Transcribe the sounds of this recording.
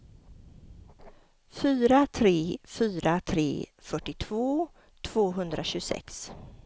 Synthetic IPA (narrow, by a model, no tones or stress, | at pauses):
fyːɾat̪ʰɾeːfyːɾat̪ʰɾḛːfœʈːɪt̪ʰvoː | t̪ʰv̥oːɦɵnd̪ɾʔaɕɵsɛ̰ks